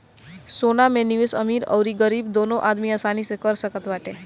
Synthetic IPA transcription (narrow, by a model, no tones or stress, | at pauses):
sonameniʋɪsə̰miɾə̰wɾiɡəɾibd̪onoʔad̪mijasanisekəɾsəkət̪ʋaʈe